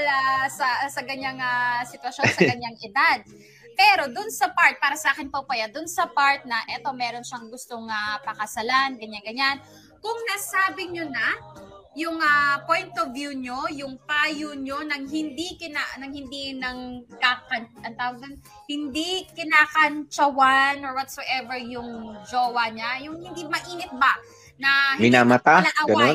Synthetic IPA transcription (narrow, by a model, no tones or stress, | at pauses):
lasɐsɐkɐɲaŋasɪt̪wɐʃo̞nsɐkɐɲːaŋʔɪd̪ad̪̚ | pɛːɾo̞d̪ʊnsɐpaɹt̪̚paːɾɐsɐʔaːkɪnpɐpɐjad̪ʊnsɐpaɹt̪̚nɐʔɛt̪o̞mɛːɾo̞nʃɐŋɡʊst̪oŋapɐkɐsɐlanɡɐɲaŋɡɐɲan | kʊŋnasaːbɪɲonajʊŋapojnt̪ovjuɲo̞jʊŋpaːjoɲo̞nɐŋɦɪnd̪ikɪnanɐŋhɪnd̪inɐŋkakɐnʔɐnt̪aːwɐɡ̚d̪ɐn | hɪnd̪ikɪnaːkɐnt͡ʃɐwanoɹwɐt̪soʔɛvɛɹjʊŋd͡ʒoːwɐɲajʊŋhɪnd̪imɐʔiːŋɪt̪̚ba | nɐmɪnaːmɐt̪aaʔaɡɐnon